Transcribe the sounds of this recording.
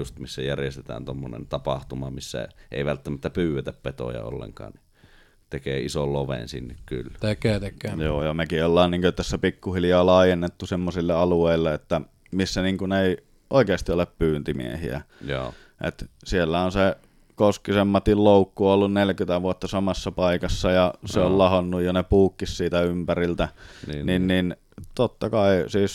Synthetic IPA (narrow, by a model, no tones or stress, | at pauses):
ust̪misːæjærjest̪et̪æ̰ːnt̪omːonḛnt̪ɑpɑht̪umɑmisːæ̰ʔḛˑiʋælt̪ːæmæt̪ːæpyːwet̪æppet̪o̰jɑ̰o̰lːḛŋkɑ̰ːnni | t̪ekeːisolloʋḛnsḭnːekky̰lːt̪ekːeːt̪ekːˑejoːjɑmekiolːɑːnniːŋkøt̪æsːæpikːuhiljɑːlɑˑijenːet̪ːusemːosilːeɑlueˑilːeet̪ːæ | misːæniːŋkuneˑi | ʔoˑikeɑst̪ioleppyːnt̪imḭḛhḭæ̰jo̰ | ʔḛt̪sielːæonse | koskisemːɑt̪illoukːuolːunnelkyt̪æʋuot̪ːɑsɑmɑsːɑpɑikɑsːɑjɑseollɑhonːujjonepuːkːissiːt̪æympærilt̪æninnin | t̪ot̪ːɑkɑisiːs